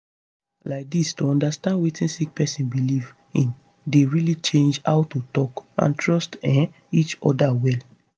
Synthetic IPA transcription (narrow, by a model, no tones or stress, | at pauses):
laɪk̚distoɔ̃ndastãndwetĩnsik̚pɛsĩnbiliv | ĩn | deɹilit͡ʃẽnd͡ʒaʊtutɔkã̰ntʰɹɔstɛ̃ | it͡ʃɔ̰dawɛl